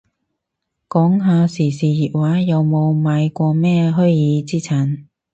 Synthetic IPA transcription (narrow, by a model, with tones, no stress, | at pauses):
kɔː˨˥ŋɦaː˨˧siː˨˩siː˨˩jiː˨t̚waː˨˥jɐ˨˧wmo˨˧wmaː˨˧jkʷɔː˧mɛː˥ɦɵ˥ɥjiː˨˧t͡siː˥t͡sʰa˨˥˩n